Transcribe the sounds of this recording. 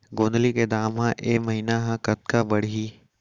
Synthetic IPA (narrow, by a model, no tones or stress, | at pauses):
ɡõːnd̪liked̪aːmɦãʔeːmɐɦiːnaɦãkɐt̪̚kabɐɽɦiː